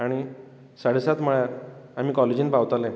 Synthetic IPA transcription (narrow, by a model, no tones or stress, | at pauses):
aɽ̃i | saɽ̤esat̪m̤əɭjaɾam̤iːkɔled͡ʑiːnpaʋt̪alẽ